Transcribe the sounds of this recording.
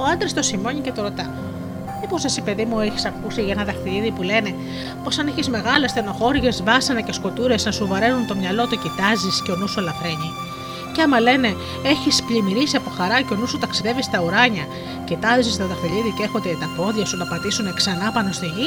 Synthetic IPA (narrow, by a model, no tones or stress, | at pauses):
oɐnd̪ɾest̪o̞simo̞ɲice̞t̪o̞ɾo̞t̪ɐ | mipo̞sɐsipe̞ðimueçi̥sɐkusiʝɐenɐðɐxθiliðipule̞ne̞ | po̞sɐneçizme̞ɣɐlest̪eno̞xo̞ɾʝe̞zvɐsɐnɐce̞sko̞t̪uɾe̞snɐsuvɐɾe̞nunt̪o̞mɲɐlo̞t̪ocit̪ɐzisceo̞nusolɐfɾeɲi | ceɐmɐle̞ne̞ | e̞çispʎimiɾisiɐpo̞xɐɾɐceo̞nusut̪ɐksiðe̞vist̪ɐuɾɐɲɐ | cit̪ɐzisist̪ɐðɐxiliðiceexod̪et̪ɐpo̞ðʝɐsunɐpɐt̪isuneksɐnɐpɐnost̪oʝi